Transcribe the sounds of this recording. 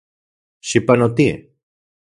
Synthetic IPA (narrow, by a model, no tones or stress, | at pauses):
ʃipɐnot̪i